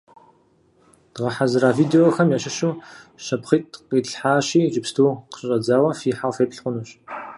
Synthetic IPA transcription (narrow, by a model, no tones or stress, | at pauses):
d̥ʁɐħazɨɾaːviːdeoxɐmjaːɕɐʃuːʃɐpχiːtqiːɮħaːɕiːd͡ʒɪpstʰuːqɕʼɐd͡zaːwɐfiːħafeːpɬχʷʊnuːɕ